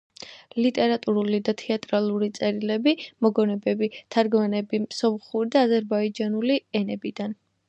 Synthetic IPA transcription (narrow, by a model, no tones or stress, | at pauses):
lit̪ʼɛɾat̪ʼuɾulid̪at̪ʰɛat̪ʼɾalˠuɾit̪sʼɛɾilɛbimɔɡɔnɛbɛbit̪ʰaɾɡmanɛbimsɔmχuɾid̪aːzɛɾbaid͡ʒanuliɛnɛbid̪an